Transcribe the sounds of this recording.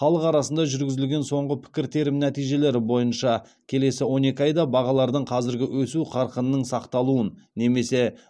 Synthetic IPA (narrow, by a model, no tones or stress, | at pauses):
χɑlˠəqɑɾɑsənd̪ɑʒʏɾɡʲɪzɪlɡʲe̞nso̞ɴʁəpʰɪ̥kʲɪɾt̪ʰe̞ɾɪmnæt̪ijʒe̞le̞ɾɪbo̞jənʃɑ | kʲʰe̞le̞sɪwo̞ne̞kʲɑjd̪ɑbɑʁɑlˠɑɾd̪əɴqʰɑzɪɾɡʲɪwʔɵsuqʰɑɾqənənəɴsɑqt̪ɑlˠuənne̞me̞se̞